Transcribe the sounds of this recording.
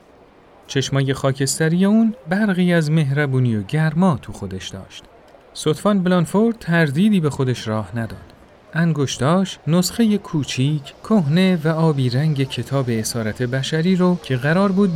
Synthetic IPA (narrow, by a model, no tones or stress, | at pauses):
t͡ʃʰe̞ʃmɒːje̞xɒːcʰe̞st̪æɾijeuːnbæɾɣiːæzme̞ɦɾæbuːnijoɟæɾmɒːt̪ʰuxo̞d̪eʃd̪ɒ̰ːʃt̪ | sot̪fɒnblɑnfoɾd̪̚t̪ʰæɾd̪iːd̪iːbe̞xo̞d̪eʃɾɒːhnæd̪ɒ̰ːd̪̥ | ʔæŋɡoʃd̪̥ɒːʃtnosχe̞jekʰuːt͡ʃʰiːcʰkʰːohne̞væɒːbiːɾæŋɟe̞cʰe̞t̪ʰɒːbe̞ːsɒːɾæt̪ʰe̞bæʃæɾiːɾocʰe̞ɣæɾɒːɾbuːd̪̚